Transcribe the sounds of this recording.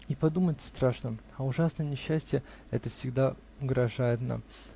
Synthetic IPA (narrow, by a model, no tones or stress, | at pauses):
ipɐd̪umətʲst̪ɾaʂnə | ɐʊʐasnəjənʲɪɕːæsʲtʲɪjə | ɛ̰t̪əfsʲɪɡd̪a | ʊɡɾɐʐajɪt̪na̰m